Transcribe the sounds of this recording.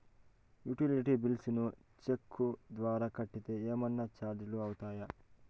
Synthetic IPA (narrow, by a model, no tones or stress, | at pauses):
juʈiliʈibilsinu | t͡ʃekʰːud̪ʋaːɾɐkɐʈːit̪eeːmɐnːɐt͡ʃaːɾd͡ʒ̪iluɐwut̪aːjɐ